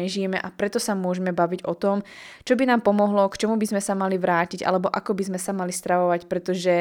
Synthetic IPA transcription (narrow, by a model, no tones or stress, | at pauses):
ɛʒijɛmɛʔapɾɛt̪ɔsamʊɔʒɛmɛbaʋiɟɔt̪ɔmt͡ʃɔbinaːmpɔmɔɦlɔkt͡ʃɔmubizmɛsamaliʋɾaːciɟa̰lɛbɔʔa̰kɔbizmɛsamalist̪ɾaʋɔʋacpɾɛt̪ɔʒɛ